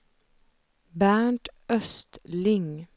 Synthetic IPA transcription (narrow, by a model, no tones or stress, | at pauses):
bæːɳʈœst̪lɪŋ